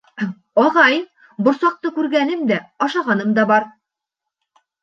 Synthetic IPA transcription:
ɒʁɑj | bŏɾsɑq̚t̪ɤkʉɾɡænɘmd̪æɑʃɑʁɑnɤmd̪ɑbɑɾ

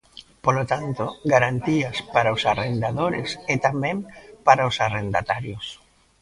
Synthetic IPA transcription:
polot̪ant̪oɡaɾant̪iaspaɾaosarend̪aðoɾeset̪amɛ̃ŋpaɾaosarend̪a̰t̪aɾjos

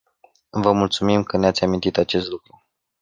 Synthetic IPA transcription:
vəmult̪sumimkəneat̪sʲamint̪it̪at͡ʃe̞st̪lukɾu

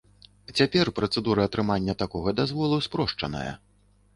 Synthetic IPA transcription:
t͡sʲapʲɛrpɾɐt̪sɛd̪uɾɐːt̪ɾɨmanʲːɐt̪akɔɣɐd̪azvɔlˠuspɾɔʂt͡ʂɐ̰nɐ̰jɐ̰

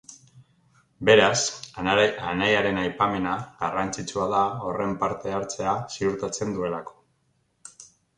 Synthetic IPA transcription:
be̞ɾasaanajaɾe̞najpame̞naɣarant͡sit͡ʃuaðao̞re̞mpaɾt̪e̞aɾt͡se̞asiuɾt̪at͡se̞nd̪ue̞lako̞̥

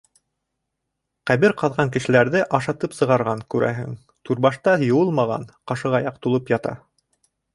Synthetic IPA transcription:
qæβɘɾqɑðʁɑŋkɘ̆ʃɘ̆læɾðɘʔɑʃɑt̪ɤpsɤ̆ʁɑɾʁɑŋkʉɾæ̰ɦɘ̰ŋ | t̪uɾβɑʃt̪ɑjŏwɤlˠmɑʁɑ̰nqɑʃɤʁɑjɑqt̪ulˠɤpjɑt̪ɑ̰

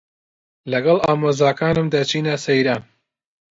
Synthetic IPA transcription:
lɐɡɐlɑːmozɑːkaːnɨmd̪ɐt͡ʃʰiːnɐsejɾɐ

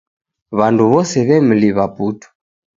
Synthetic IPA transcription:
βanduβɔsɛβɛm̩liβaputɔ̥

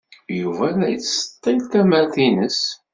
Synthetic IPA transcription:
juvælæjət͡sːsə̥t̪ːælt̪æmæɾθinəs

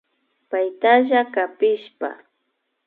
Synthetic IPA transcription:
pajt̪aʒakapɪʃpa̰

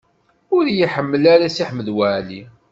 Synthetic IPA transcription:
ʊɾjiħəmːəlaɾasiħməðwæʕli

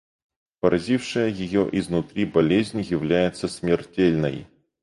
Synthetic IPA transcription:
pəɾʔɐzʲifʂɨjəjɪjoʔɪznʊt̪ɾʲibɐlʲezʲnʲjɪvlʲæjɪt̪səsmʲɪrtʲelʲnə̰j

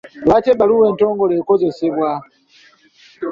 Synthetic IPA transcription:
latɛɓaluwɛntɔŋɡɔlɛkɔzɛsɛkwa

